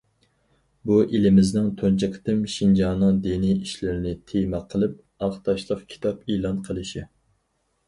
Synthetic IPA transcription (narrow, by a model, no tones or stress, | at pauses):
buʔilɪmɪznɪŋt̪ʰont͡ʃʰɪkʲʰt̪ɪmʃind͡ʒɑnɨŋd̪eniiʃlɪɾɪnɪt̪ʰemɛqʰəlˠɪp̚ | ɑχt̪ʰɑʃlˠəqkʲʰi̥t̪ʰɑpelˠɑnqʰəlˠɨʃɪ